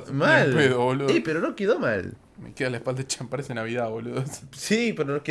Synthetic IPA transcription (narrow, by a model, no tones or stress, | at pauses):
malpeðoβolipeɾonokeðomal | mḛkeðalaehpald̪aet͡ʃampaɾesenaβiðaβoleðossipeɾonoke